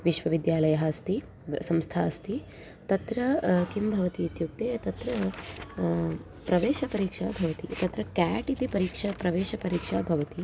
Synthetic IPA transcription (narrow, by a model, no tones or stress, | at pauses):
ʋiʃʋɐʋid̪jaːlɐjɐɦɐːst̪i | sɐmst̪ʰaːst̪i | t̪ɐt̪ɾɐkimbʱɐʋɐt̪iit̪juk̚t̪eːt̪ɐt̪ɾɐ | pɾɐʋeːʃɐpɐɾiːkʂaːbʱɐʋɐt̪it̪ɐt̪ɾɐkaːʈit̪ipɐɾiːkʂɐpɾɐʋeːʃɐpɐɾiːkʂaːbʱɐʋɐt̪i